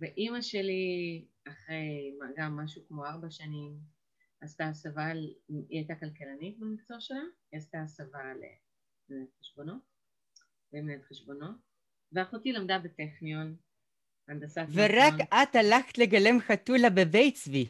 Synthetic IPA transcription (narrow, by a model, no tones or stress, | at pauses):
veʔimaʃe̞li | aχʁe̞jmaɡamːaʃukmo̞aʁbaʃanim | astasavaliajtakalkelanit̚bemikt͡soʃelaiast̪asaval̰ | benetχeʃbo̞no̞ | bemnetχeʃbo̞no̞t | veaχotilamdabeteχnion | andasaveʁakat̪halaχt̪le̞ɡale̞mχatulabebejt͡svi